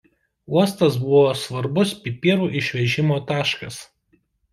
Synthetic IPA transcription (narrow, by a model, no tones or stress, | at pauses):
uɔst̪ɐs̬bʊʋoːsʋɐɾbʊspʲɪpʲiːɾuːʔɪʃʲʋʲɛʒʲɪmoːt̪ɑːʃkɐs